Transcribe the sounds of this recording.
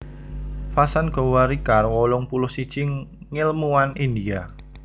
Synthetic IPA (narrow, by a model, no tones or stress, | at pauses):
fasanɡ̥o̤waɾikarwɔlɔŋpulʊhsi̥t͡ʃɪŋː | ɪlmuwanindia